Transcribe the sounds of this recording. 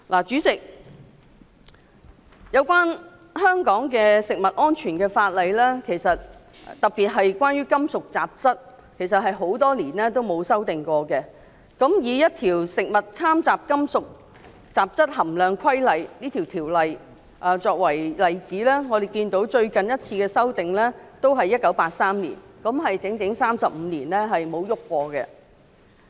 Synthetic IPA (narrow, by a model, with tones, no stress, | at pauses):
lʔaː˨˩t͡ʃyː˨˥t͡sɪ˨k̚ | jɐ˨˧wkʷaː˥n | hœː˥ŋkɔː˨˥ŋkɛː˧sɪ˨k̚mɐ˨t̚ʔɔː˥nt͡ʃʰyː˨˩nkɛː˧faː˧t̚lɐ˨˧jlɛː˥kʰe˨˩jsɐ˨t̚ | t̪ɐ˨k̚piː˨t̚ɦɐ˨jkʷwʷaː˥njɥyː˥kɐ˥msʊ˨k̚t͡saː˨p̚t͡sɐ˥t̚ | kʰe˨˩jsɐ˨t̚ɦɐ˨jɦo˨˥wt̪ɔː˥liː˨˩nlɛː˥t̪o˥wmo˨˧wsɐ˥wt̪ɪ˨˩ŋkʷɔː˧kɛ˧ | kɐ˨˥mjiː˨˧jɐ˥t̪̚ʰiː˨˩wsɪ˨k̚mɐ˨t̚t͡sʰaː˥mt͡saː˨p̚kɐ˥msʊ˨k̚ | t͡saː˨˩p̚t͡sɐ˥t̚hɐ˨˩mlœː˨˧ŋkʰɐ˥jlɐ˨jniː˥t̪ʰi˨˩wt̪ʰiː˨˩wlɐ˨j | ʔɐː˨˩t͡sɔː˧k̚wɐ˨˩jlɐ˨jt͡siː˨˥lɛː˥ŋɔː˨˧d̪e˨jkiː˧nt̪o˨˥wt͡ʃɵ˧ɥkɐ˨njɐ˥t̚t͡sʰiː˧kɛː˧sɐ˥wt̪ɪ˨ŋlɛː˥t̪o˥wɦɐ˨jːɐ˥t̚kɐ˨˥wpaː˧t̚saː˥mnḭ˨˩nkɐ˨˥mɦɐ˨jt͡sɪ˨˥ŋt͡sɪ˨˥ŋsaː˥msɐ˨p̚m̩ː˨˧niː˨˩nlɛ˥ɦɐ˨jmo˨˧wjʊ˥kːʷɔː˧kɛ̰˧